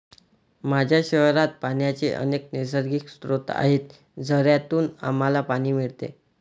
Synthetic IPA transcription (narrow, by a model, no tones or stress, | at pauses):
mad͡ʑʱjaɕəɦɾat̪̚paɳjat͡seʔə̰neknisəɾɡiksɾot̪a̰ɦet̪ | d͡zʱəɾjat̪uːna̰malapaɽ̃iːmiɭt̪ḛ